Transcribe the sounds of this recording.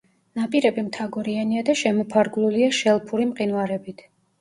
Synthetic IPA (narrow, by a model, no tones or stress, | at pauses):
napʼiɾɛbimt̪ʰaɡɔɾianiad̪aʃɛmɔpʰaɾɡulˠuliaʃɛlˠpʰuɾimqʼinvaɾɛbit̪ʰ